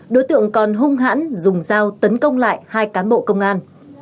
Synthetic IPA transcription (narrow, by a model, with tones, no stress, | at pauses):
ɗo˨˦jt̪ɨ̰˧˨əŋkɔ˨˩nɦʊ˧ŋ͡mɦa̰ː˧˥nzʊ˨˩ŋ͡mzaː˧wt̪ə˨˦nkə˧wŋ͡mla̰ː˧˨jhaː˧jkaː˨˦nɓo̰˧˨kə˧wŋ͡mʔaː˧n